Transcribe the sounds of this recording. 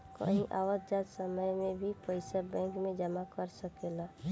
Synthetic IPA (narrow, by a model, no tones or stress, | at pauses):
kə̰ɦĩʔaːwət̪̚d͡ʒaːd̪səməjmẽbʱipəɪsabɛ̃ːŋkmẽd͡ʒəmakəɾsəkela